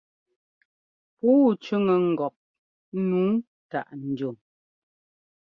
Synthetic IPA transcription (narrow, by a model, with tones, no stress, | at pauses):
puː˦t͡ʃʉ˦ŋə˨ŋ̩˨ɡɔ˨p̚ | nuː˨˦ | ta̰˨ʔn̩˨d͡ʒo˨m